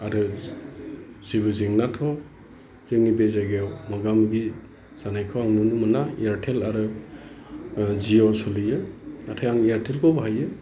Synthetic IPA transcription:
aɾɯ | zibɯziŋnatʰɔ | zɯŋnibezaɡewmaɡamɡi | z̥anajkʰɯwaŋnunumanaijaɾtʰelaɾɯ | ziɔsulɯjɯnatʰajaŋijaɾtʰelkʰɔbaɦajɯ

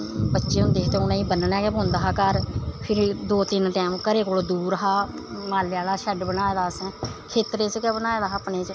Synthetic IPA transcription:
bətːʃeːɦʊ̃nd̪eːt̪ẽʊnãːiːbənnɛːɡɛbʊnd̪aːɦaːkəɾpʰɪɾd̪oːt̪ɪnʈɛːmkəɾeːkoːloːd̪uːɾɦaː | maːlːaːlaːʃɛɖbənaːeːd̪aːsɛ̃ːkʰeːt̪ɾeːskɛːbənaːeːd̪aːəpneːt͡ʃ

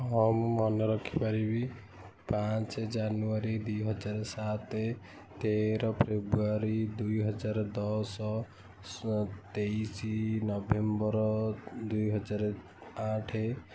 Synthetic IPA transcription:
ɦɔmɔnɔɾɔkʰipaɾibi | pãt͡ʃed͡ʒanuaɾid̪ujɦɔd͡ʒaɾsat̪e | t̪eɾɔpʰɾebɾuaɾid̪ujɦɔd͡ʒaɾd̪ɔsɔ | t̪eisinɔbembɔɾd̪ujɦɔd͡ʒaɾ | aʈʰe

